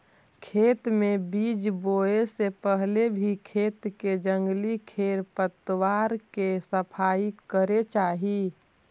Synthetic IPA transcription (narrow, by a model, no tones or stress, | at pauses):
kʰeːt̪mẽbiːd͡ʒboːesepəɦlebʱikʰeːt̪ked͡ʒə̃ŋɡlikʰeːɾpət̪əwaːɾkesəpʰaːikəɾet͡ʃaːɦi